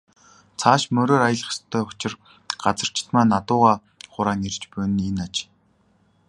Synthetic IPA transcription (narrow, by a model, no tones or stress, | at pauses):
t͡sʰaːʃmœɾoːɾajə̆ɮ̆χst̪ʰœːɵt͡ɕɪ̆r | ɢ̥at͡sə̆r̥t͡ɕʰɪ̥̆t̪maːnːat̪ʊːʁaː | χʊɾaːnert͡ɕpʊj̆nenat͡ɕ